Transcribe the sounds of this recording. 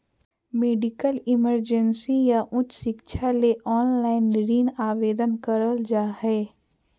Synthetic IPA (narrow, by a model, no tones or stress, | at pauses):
meːɖɪkəlɪməɾd͡ʒənsijaʔʊt͡ʃʃɪkʃʰaleʔɔːnlaːɪnɾiːnaːʋeːd̪ənkəɾəld͡ʒaːɦɛː